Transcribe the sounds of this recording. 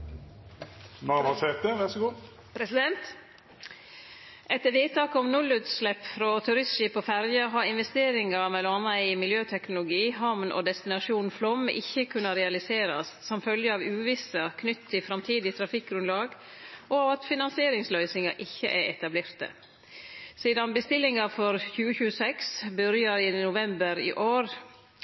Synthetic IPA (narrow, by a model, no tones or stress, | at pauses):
nɑʋɑseːt̪əʋæʁsəɡuː | pɾɛsɪd̪ɛnt̪ | ʔɛt̪əʋeːt̪ʰːɑːkɔmnʊlʉːt̪slɛpːfɾɔt̪ʰʉɾɪsʃiːpɔfæɾjɑɦɑɾɪnʋɛst̪eːɾɪŋɑmɛlɔɑnəɪmɪljøːt̪ʰɛknʊlʊɡiːɦɑmnʔɔ̰ːd̪ɛst̪ɪnɑʂuːnflɔmʔɪ̰çːəkʰʉnːɑɾɛɑlɪseːɾɑssɔmfœljəɑːʋʉːʋɪsəkʰnʏt̪t̪ʰːɪlfɾɑmt̪ʰiːd̪ɪt̪ʰɾɑfɪk̚ɡɾʉnlɑːɡ | ʔɔɑʋɑt̪fɪnɑnsɪeːɾɪŋslœʏsɪŋɑʔɪçːəʔɛɾɛt̪ɑbleːɾt̪ə̰ | siːd̪ɑnbəst̪ɪlːɪŋɑfɔɾçʉːəçʉːəsɛksbʉɾjɑɾiːnʊʋɛmbəɾḭːʔoːɾ